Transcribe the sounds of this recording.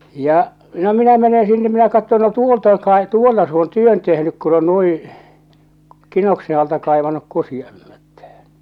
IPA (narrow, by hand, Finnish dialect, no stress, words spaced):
jɑ no minæ mene sinːe minæ kɑtːon no tuolt oŋ kɑe tuolːɑ s oːn tyøn tehnyk kun on nuĩː kinokse ɑltɑ kɑˑeʋɑnuk kusiɑĕhmætːæhæ̥n̥